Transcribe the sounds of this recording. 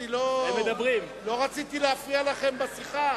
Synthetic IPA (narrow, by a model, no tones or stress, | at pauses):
iloemed̪abʁim | lo̞ʁat͡sit̪ileafialaχe̞mbasiχa